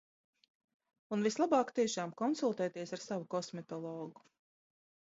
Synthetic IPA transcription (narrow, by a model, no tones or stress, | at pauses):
unvislˠabɑːkt̪iɛʃaːmkɔnsulˠt̪ɛːt̪iɛsaɾsavukɔsmɛt̪ɔlˠɔːɡu̥